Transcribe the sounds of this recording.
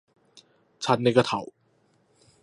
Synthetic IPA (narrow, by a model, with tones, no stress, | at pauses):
t͡ɕʰa˦˥nːa˧jka˧t̪ʰa̰˨˩˦w